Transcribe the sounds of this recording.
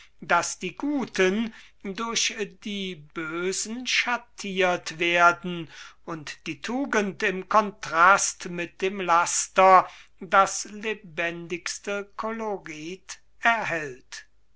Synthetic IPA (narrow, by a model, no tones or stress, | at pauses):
d̥asd̥iːɡuːtʰəndʊɐɕdiːbøːzn̩ʃatʰiːɐtv̥eːɐdn̩ʊntd̥iːtʰuːɡəntɪmkʰɔntʁ̥astmɪt̚d̥eːmlastɐdaslebɛndɪkstəkʰɔloʁiːt | ɛɐɦɛlt